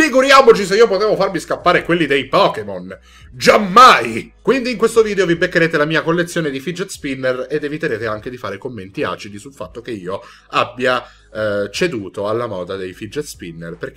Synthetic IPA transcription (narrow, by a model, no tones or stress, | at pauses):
fiɡuɾjaːmot͡ʃiseiːopot̪eːvofarmiskapːaːɾekwelːid̪ejpɔːkemon | d͡ʒamːajkwind̪iːŋkwest̪oviːd̪eovibekːeɾeːt̪elamiːakolːet̪sːjoːned̪ifid͡ʒet̪spinːered̪evit̪eɾeːt̪eaŋk̟ed̪ifaːɾekomːent̪ia̰ːt͡ʃid̪isulfa̰t̪ːok̟eiːo | abːja | t͡ʃed̪uːt̪oalːamɔːd̪ad̪ejfid͡ʒet̪spinːḛrper